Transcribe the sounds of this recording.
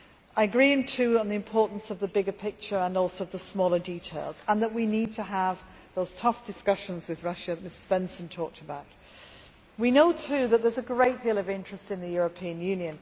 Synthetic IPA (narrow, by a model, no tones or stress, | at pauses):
aɪəɡɹiɪ̃ŋtʰʉːə̃nðiɨ̃mpʰɔˑɹʔn̩sʌvðəbɪɡəpʰɪk̚t͡ʃə˞ə̃nɔlˠsoʊʌvðəsmɔːlˠə˞ditʰeɪlˠz̥ə̃nðəʔwinid̚tʰəəv | ðoʊz̥tʰʌfd̥ɪskʌʃə̃nzwɪðɹʌʃəmɪsɪz̥bɛ̃nsə̃ntʰɔˑk̚tʰəbaʊʔ | winoʊtʰʉðəʔ̪̚ðəzəɡɹeɪʔ̚d̥iːlˠʌvɪ̃nt͡ʃɹ̥ɨstɨ̃nðɨjɔɹəpʰĩə̃njʉ̃njɨ̃n